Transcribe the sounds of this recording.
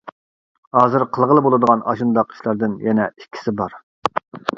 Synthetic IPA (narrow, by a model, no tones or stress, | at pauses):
hɑːzɨɾqʰəlˠʁəlˠɨbolˠɨd̪əʁɑnɑ̰ʃund̪ɑqi̥ʃlˠɑɾd̪ɨnjɛnɛikʲʰːi̥sɪbɑɾ